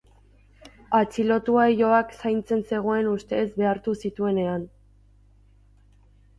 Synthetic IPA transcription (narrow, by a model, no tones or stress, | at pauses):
at͡silo̞t̪uaejo̞aksajnt͡se̞nse̞ɣ̞o̞e̞nust̪e̞zbe̞aɾt̪usit̪ue̞ne̞an